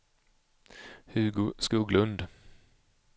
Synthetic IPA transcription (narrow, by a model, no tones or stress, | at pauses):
hʉɡskuːɡlɵnd̪